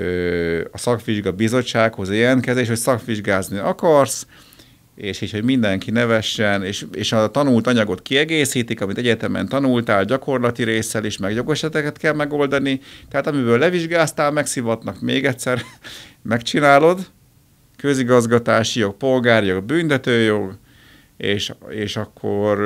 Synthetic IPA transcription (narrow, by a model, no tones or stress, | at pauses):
øɒsɒkʋiʒɡɒbizo̞t͡ʃːaːkho̞zeːɛnkɛzeʃho̞csɒkʋiʒɡaːzniɒkɒrs | eːʃhicho̞ɟmind̪ɛŋkinɛvɛʃːɛneːʃeːʃɒt̪ɒnult̪ɒɲɒɡo̞t̪kiɛɡeːsiːt̪ikɒmit̪ɛɟɛt̪ɛmɛ̰nt̪ɒnult̪aːlɟɒko̞rlɒt̪iɾeːsɛleːʃmɛɡjo̞ɡɛʃɛt̪ɛkɛt̪kɛlmɛɡo̞ld̪ɒnit̪ɛɦaːt̪ɒmibøːlːɛviʒɡaːst̪aːlmɛksivɒt̪nɒkmeːɡɛt̪sɛrmɛkt͡ʃinaːlo̞d̪ | kø̞ziɡɒzɡɒt̪aːʃijo̞ɡ̚po̞lɡaːrjoɡbynt̪ɛt̪øːjo̞ɡ | eːʃeːʃɒkʰːor